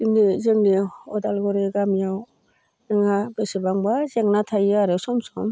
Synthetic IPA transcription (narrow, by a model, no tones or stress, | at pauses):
iŋnizeŋniɔdalɡɔɾeɡamijaw | nɯŋabesebaŋbazeŋnatʰajaɾɯsɔmsɔm